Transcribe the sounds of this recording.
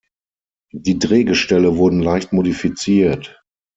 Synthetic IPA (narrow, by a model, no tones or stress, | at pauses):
d̥iːdʁeːɡəʃtɛləvʊɐdn̩laɪçtmodifit͡siːɐt